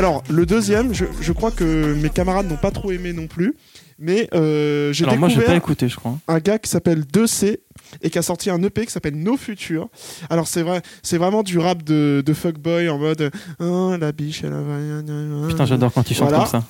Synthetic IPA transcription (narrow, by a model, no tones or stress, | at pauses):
alɔʁləd̪øzjɛmʒəʒəkχwakəmekamaʁad̪̚nɔ̃pat̪χoemenɔ̃ply | mɛʔøʒeald̪ekmwaʒkvɛpaekut̪eʒəkχwaɛ̃ɡakʲi̥sapɛld̪øseekʲiasɔʁt̪ʰiɛ̃nøpekʲi̥sapɛlnofyt̪ʰyːʁalɔʁsɛvʁɛsɛvʁɛmɑ̃d̪yʁap̚d̪əd̪əfɔk̚bɔjɑ̃mɔd̪ɛ̃labiʃɛ̰la̰vaɛ̃ɲaɛ̃t̪ɛ̃ʒad̪ɔʁkɑ̃t̪yʃvɑ̃talakɔsa